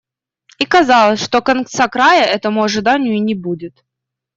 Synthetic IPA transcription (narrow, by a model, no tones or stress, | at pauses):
ikɐzɑlˠəsʲʂt̪o̞kɐnkt̪sakɾajəʔɛt̪əmʊɐʐɨd̪anʲɪjʊinʲɪbudʲɪt̪